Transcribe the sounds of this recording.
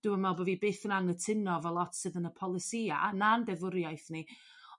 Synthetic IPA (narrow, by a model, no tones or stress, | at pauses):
d̥uəmɛlˠbəvibeːθənaŋətʰɪnɔvɛlˠɔtsɨðənəpʰɔlˠɪsiːaʔa̰nandɛvʊɾjajθni